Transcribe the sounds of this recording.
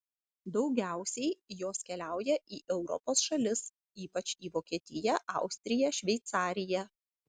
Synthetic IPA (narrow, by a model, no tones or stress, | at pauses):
d̪ɒʊɡʲæˑʊsʲɛɪjoːskʲɛlʲæˑʊjɛʔiːʔɛʊɾɔ̰poːsʃɐlʲɪs | iːpɐt͡ʃʲiːʋoːkʲiɛt̪ʲɪjɛʔɑ̰ˑʊsʲt̪ʲɾʲɪjɛʃʲʋʲɛɪt̪sɑːɾʲɪjɛ